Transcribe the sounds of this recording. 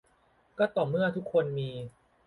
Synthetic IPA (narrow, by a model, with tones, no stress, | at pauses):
kɔː˥˩t̪ɔː˨˩mɯ˥˩ɐt̪ʰu˦˥kʰːo˧nmiː˧